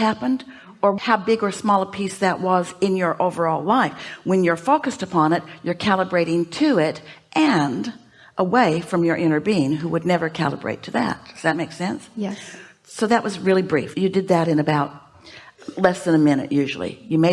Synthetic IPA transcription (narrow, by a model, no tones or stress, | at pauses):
hæpɨ̃nd | ə˞haʊbɪɡə˞smɔlˠəpʰisðɨʔ̚wʌzɨ̃njə˞ʔoʊvə˞ɔlˠlaɪfwɨ̃njə˞foʊkɨstɨpʰɑ̃nɨt̚jə˞kʰælˠəbɹeɪɾɪ̃ŋtʰɨɪɾ | ʔɨ̃nd | ʔəweɪfɹʌ̃mjə˞ʔɪ̃ɾ̃ə˞biɪ̃ŋɦuwɨdⁿnɛvə˞kʰæ̰lˠə̰bɹḛɪtʰɨðɨ̰t̚ðɨt̚meɪksɛ̃ns | soʊðɨʔ̚wʌzɹɪlˠibɹḭfjɨdɨd̪̚ðɨɾɨ̃ñɨbaʊt̚ | lɛsðɨ̃ñɨmɪ̃nɨ̰ʔjʉʒl̩ˠḭjɨmeɪ